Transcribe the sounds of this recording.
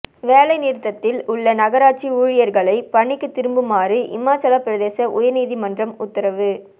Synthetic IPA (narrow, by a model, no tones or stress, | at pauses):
ʋeːlɐɪniːɾt̪ːɐt̪ːɪlʊɭːɐnɐɣɐɾaːʈ̚t͡ʃiuːɻɪjɐɾɣɐɭɐɪpɐɳːɪkːɯt̪ːɪɾɯmbɯmaːriʔɪ̰maːt͡ʃɐlapːɪɾɐðeːsɐʔʊjɐniːðimɐndrɐmʊt̪ːɐɾɐʋɯ